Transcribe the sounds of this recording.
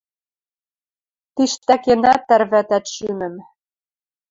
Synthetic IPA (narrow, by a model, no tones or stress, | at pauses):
t̪iʃt̪ækenæt̪ːæɾβæt̪æt̪ʃymɘ̆m